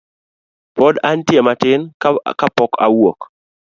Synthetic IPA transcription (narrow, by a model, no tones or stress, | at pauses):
pɔdantjɛmatɪnkapɔka̰wok